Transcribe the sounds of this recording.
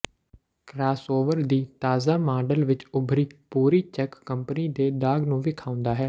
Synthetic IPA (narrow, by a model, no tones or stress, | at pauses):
kɾaːsoːʋəɾd̪iːt̪aːzaːmaːɖəlʋɪt͡ʃʊbʱɾiːpuːɾiːt͡ʃɛkːəmpəniːd̪eːɖaːɡnũːʋɪkʰaːʊ̃nd̪aːɦɛː